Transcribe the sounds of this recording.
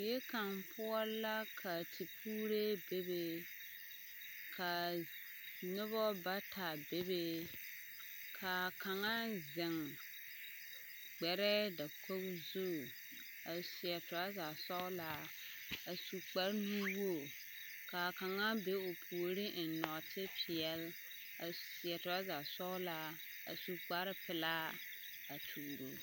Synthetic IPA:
je˦ka˨ŋpʰʊ˦ɔ˦la˦kʰa˨tʰi˨pʰuː˦ɾe˦be˦be˦ | kʰa˨ | nʊ˦βɔ˦ba˦tʰa˨be˦be˦ | kʰa˨ka˨ŋa˦zɪ˨ŋ | ɡ͡bɛ˨ɾɛ˦da˨kʰo˦bzu˦˨ | a˨sɪ˨ɛ˨tʊ˨ɾa˦za˨sɔ˦la˦ | a˨su˨k͡pa˨˦ɾnu˦wo˦˨ | ka˨ka˨ŋa˦be˦o˨pʰu˨o˨ɾi˦ʔ̩˨nɔ˨tɪ˦pʰɪ˨ɛ˨˦l | a˨sɪ˨ɛ˨tʊ˨a˦za˨sɔ˦la˦ | a̰˨su˨k͡pa˦ɾɪ˦pɪ˨la˦ | a˨tʰuː˨ɾo˦

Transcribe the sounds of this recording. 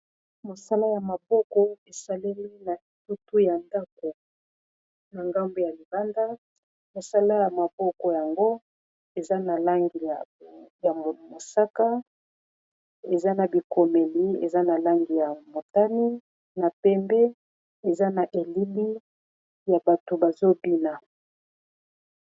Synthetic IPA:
mo˨sa˦la˦ja˨ma˨bɔ˦kɔ˦e˨sa˦le˦li˦na˨tu˦tu˦ja˨nda˦k̚o˨ | na˨ŋɡa˦mbe˦ja˨li˨ba˦nda˦ | mo˨sa˦la˦ja˨ma˨bɔ˦kɔ˨ja˨ŋɡo˦ | e˨za˦na˨la˦ŋɡi˨ja˨mo˨sa˦ka˦ | e˨za˦na˨bi˨ko˨me˨li˦ḛ˨za˦na˨la˦ŋɡi˨ja˨mo˨ta˦ni˦ | na˨pɛ˦mbɛ˦ | e˨za˦na˨ʔe˨li˦li˦ | ja˨ba˨to˨ba˨zo˦bi˦na˨

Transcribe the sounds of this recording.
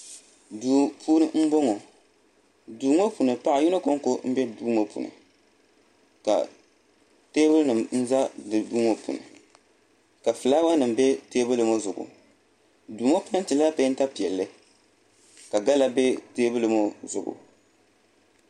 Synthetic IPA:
duː˨puː˦nɨ˦m̩˦bo˦ŋo˨ | duː˨ŋo˦pu˨nɨ˨pa˦ʔa˨ju˦nɨ˦ko˦ŋ˦ko˦m̩˦bɛ˦duː˦mo˦pṵ˨nɨ̰˨ | ka̰˨ | teː˦bɨ˦lnɨ˨mn̩˦za˦dɨ˨duː˦ŋo˨pṵ˨nɨ̰˨ | ka˨fɨ˨laː˦wa˦nɨ˨m˨bɛ˦teː˦bɨ˦lɨ˨mo˦zʊ˨ɡʊ̰˨ | duː˨ŋo˦pu˦nɨ˦n˦tɨ˨la˦pa˦n˦ta˦pi˨ɛ˨lːɨ˦ | ka˨ɡa˦la˦bɛ˦teː˦bɨ˦lɨ˨mo˦zʊ˨ɡʊ̰˨

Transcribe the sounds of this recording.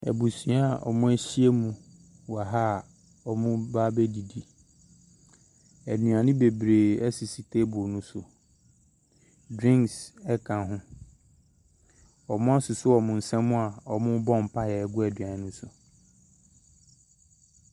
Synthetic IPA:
ɛ̰˨bu˨sĩ˨˦a˨ʔɔ̰˨mʊ̃˦æ˦ɕi˦e˦mũ˨ | wa˨ɦa˦˨ | ɔ˨mʊ̃˦ba˦be˦di˨di˨ | æ˨nũ˨ã˨nɪ̃˦be˨bɾeː˨ɛ˦sɪ˨si˨tʰe˦bʊ˨nʊ̃˦sʊ˨ | dɾĩ˦ŋksɛ˦kʰã˨ɦʊ̃˦ | ɔ˨mʊ̃˦a˦sʊ˨sʊ˦ɔ˨mʊ̃˨n̩˨sɛ̃˦m˦mʊ̃˦a˨ɔ˨mʊ̃˦bɔ̃˦˨m̩˨pʰa˦jɛ˨ɡʊ˦ɛ˨dɥã˨˦nʊ̃˦sʊ˨

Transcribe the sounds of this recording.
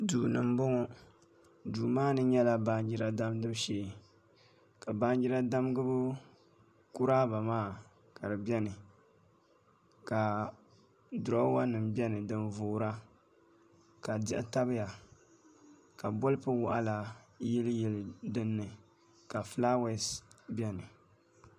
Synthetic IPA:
duː˨nɨ˨m˦bʊ˦ŋɔ˦ | duː˨maː˦nɨ˦ɲɛ˦la˦ba˦nd͡ʒi˦ɾa˦da˦mdɨ˦bʃeː˨ | ka˨ba˦n˦d͡ʒi˦ɾa˦da˦mɡɨ˦bʊ˦ | ku˦ɾaː˦ba˨maː˦ | ka˨dɨ˨bɛ˦nɨ˨ | ka˨ | dʊ˨ɾɔ˦wa˦nɨ˨mbʲɛ˦nɨ˨dɨ˨nvoː˨ɾa˦ | ka˨dɪ̰˦ʔɪ̰˨ta˦bɨ˦ja˨ | ka˨bʊ˦lɨ˦pɨ˦wʊ˨ʔa̰˦la˨jɛ˦ljɛ˨ldɨ˦nːɨ˨ | ka˨fla˦wɛ˦sbʲɛ˦nɨ˨

